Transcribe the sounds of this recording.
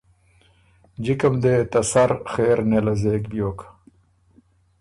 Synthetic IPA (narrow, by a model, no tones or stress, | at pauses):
d͡ʑikɐmd̪eːt̪ɐsɐɾxeːɾnelɐzeːkbijoːk